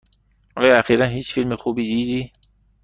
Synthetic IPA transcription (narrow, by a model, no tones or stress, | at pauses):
ʔɒːjɒæxiːɾænhiːt͡ʃfilmexuːbiːd̪iːd̪iː